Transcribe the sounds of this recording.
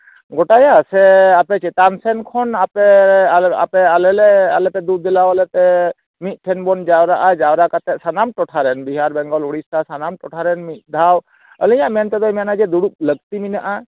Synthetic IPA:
ɡɔʈajasɛapɛt͡ʃɛt̪ansɛnkʰɔnapɛaa̰pɛalɛlɛa̰lɛpɛd̪ud̪̚d̪ɛlawalɛt̪ɛ | mit̪̚ˀʈʰɛnbɔnd͡ʒawɾaʔad͡ʒawɾakat̪ɛsanamʈɔʈʰaɾɛnbiɦaɾbɛŋɡɔluɽist̪asanamʈɔʈʰaɾɛnmit̪̚ˀd̪ʱaw | ə̰lɛjãmɛnt̪ɛd̪ɔjmanad͡ʒɛd̪uɽup̚ləɡt̪iminaʔa

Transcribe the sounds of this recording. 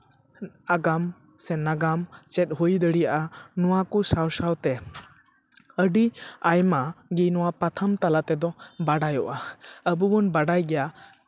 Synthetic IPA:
aɡam | sɛnaɡamt͡ʃɛt̪̚ˀɦujd̪əɽijaʔanɔwakusawsawt̪ɛ | əɖiajmaɡinɔwapat̪ʰamt̪alaʔt̪ɛd̪ɔbaɖajɔʔaəbubɔnbaɖajɡɛja

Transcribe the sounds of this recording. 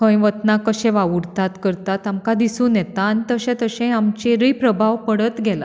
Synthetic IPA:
kə̃jʋət̪nakəɕɛ̃ʋaʋuɾt̪at̪kəɾt̪at̪amkad̪isũːnjɛt̪aːnit̪əɕɛ̃t̪əɕɛ̃amt͡ɕeɾəjpɾəbʱaʋpəɽət̪ɡʱɛla̰

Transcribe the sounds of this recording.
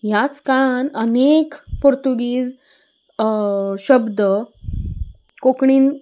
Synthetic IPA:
ɦjat͡skaɭanənekpoɾt̪uɡiːd͡z | ɕəbd̪ə | kokɳiːn

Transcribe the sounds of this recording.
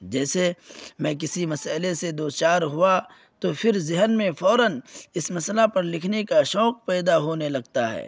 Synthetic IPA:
d͡ʒɛːsemɛ̃k̬ɪsimɐsəlesed̪oːst͡ʃaːɾɦʊa | t̪opʰɪɾzɪɦənmẽfɔːɾənɪsmɐslapɐɾlɪkʰnekaʃɔːq̚pɛːd̪aɦoːnelɐɡt̪aɦɛ̰ː

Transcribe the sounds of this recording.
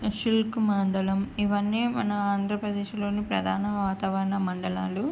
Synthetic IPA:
ʃilkmɐːɳɖɐlɐmiʋɐnːiːmɐ̰nɐaːnd̪ʱɾɐpɾɐd̪eːʃlo̞ːnipɾɐd̪ʱaːnɐʋaːt̪ɐʋɐɾnɐmɐɳɖɐlaːlu

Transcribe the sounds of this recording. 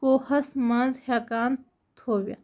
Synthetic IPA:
oːhɐsmɐ̃nzheːkaːn | t̪ʰoːʋja̰

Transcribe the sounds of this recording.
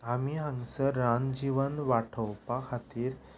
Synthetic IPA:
amiɦãŋsəːãnd͡ʑiʋənʋaʈʰəwpakʰat̪iːɾ

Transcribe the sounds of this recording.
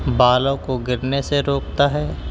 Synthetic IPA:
baːlõkoɡɪɾneseɾoːk̚t̪aɦɛː

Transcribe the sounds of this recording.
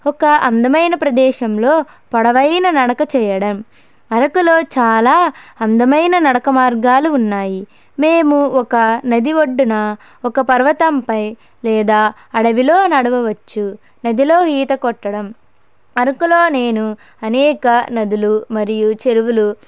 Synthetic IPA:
ɔkɐʔɐnd̪ɐmɐjnɐpɾɐd̪ɛːʃɐmloː | pɐɽɐʋɐjnɐnɐɽɐkɐt͡ʃɛːjɐɽɐm | ɐɾɐkulo̞ːt͡ʃaːlaːɐnd̪ɐmɐjnɐnɐɽɐkɐmaːɾɡaːluːnːaːji | meːmuɔkɐnɐd̪iʋoɖːunɐ | ɔkɐpɐɾʋɐt̪ɐmpɐj | lɛːd̪aː | ɐɽɐʋilo̞ːnɐɽɐʋɐʋɐt͡ʃːu | nɐd̪ilo̞ːɦiːt̪ɐkɔʈːɐɽɐm | ɐɾɐkulo̞ːneːnu | ɐnɛːkɐnɐd̪ulumɐɾijut͡ʃe̞ɾuʋulu

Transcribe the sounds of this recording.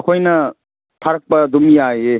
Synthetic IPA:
kʰojnɐ | pʰaɾk̚bɐdumiaje

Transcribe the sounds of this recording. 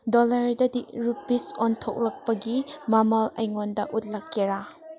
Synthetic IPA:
dolɐɾdɐdik̚ɾupːisontʰok̚lɐk̚pɐɡimamalɐjŋondɐʔut̚lɐkːeɾa

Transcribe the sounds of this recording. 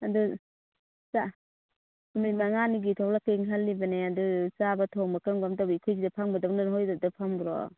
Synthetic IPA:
adu | sa | mimaŋaniɡitʰɔwlakeŋɦalːibaneadusabatʰɔŋmakɯŋɡamdabikʰɔjzidapʰaŋbadawnanɦɔjdadapʰaŋbuɾɔ̰

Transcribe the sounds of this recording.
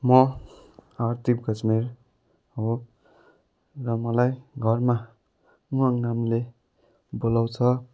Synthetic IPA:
mʌ | art̪ʰip̚ɡʱʌt͡smiɾ | o | rʌmʌlajɡʱʌrma | uaŋnamle | bolawt͡sʰʌ

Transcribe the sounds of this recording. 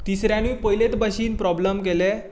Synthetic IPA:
t̪isɾjãniːpəjlet̪baɕiːnpɾɔbləmk̬ele

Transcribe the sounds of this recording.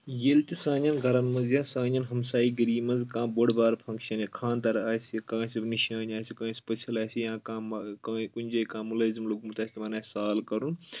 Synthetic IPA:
jelt̪isãːɲɐnɡʱɐɾɐnmɐzjaːsãːɲɐnɦɐmsaːiɡɐɾiːmɐnzkãːboɽbaːɾpʰɐ̃ŋkʃɐnikʰãːnd̪ɐɾaːsikãːsibniʃaːnʲaːsikãːspɐt͡ʃʰɐlaːsijãːkãːmkakunʲd͡ʒɐːkãːmulɐːzimluɡmut̪aːsʲt̪mɐnaːsaːlkɐɾun

